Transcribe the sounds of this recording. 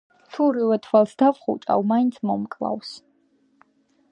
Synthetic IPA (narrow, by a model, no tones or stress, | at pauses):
tʰuɾiwɛt̪ʰwalsd̪avχṵt͡ʃʼa̰wmajnt̪ʰmɔmkʼla̰ws